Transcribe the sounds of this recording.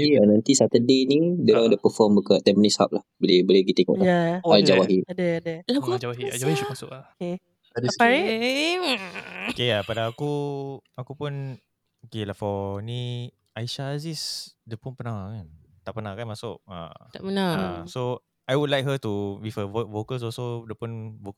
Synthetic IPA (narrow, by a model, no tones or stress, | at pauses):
ianãnt̪isat̪ədenidəɾaŋdəpəfɔmbəkaʔt̪ɛmnisa̰p̚lahbəlebəleɡit̪eŋɔ̰ʔaaad͡ʒawaɦiadəadəlauad͡ʒawaɦiad͡ʒawahiʃumasʊkake | adaɾi | keapadaakuakupʊn | okelahfɔnĩ | aiʃaːzisdəpʊnpənaŋakan | t̪aʔpənãŋkanmasʊʔ̚a̰t̪a̰ʔpənaa̰so | ajwudlajk̚ɦət̪uwifəvovokəls̬ɔlsodəpʊnvok